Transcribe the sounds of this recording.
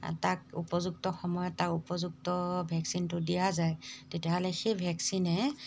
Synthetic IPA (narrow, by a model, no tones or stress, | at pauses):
takupɔzuk̚tɔxɔmɔjɔtːakupɔzuk̚tɔbʱɛksintʊdijazajtɛtijaɦɔlɛxebʱɛksinɛ